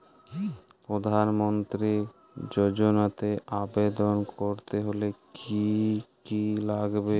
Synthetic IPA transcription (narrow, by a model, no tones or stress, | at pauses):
pɾod̪ʱanmont̪ɾi | d͡ʑod͡ʑonat̪eʔabed̪onkoɾt̪eɦolekʰikilaɡbe